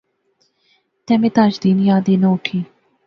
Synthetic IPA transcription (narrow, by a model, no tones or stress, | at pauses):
t̪ɛmet̪aːt͡ʃd̪iːnjaːd̪eːnowkʰiː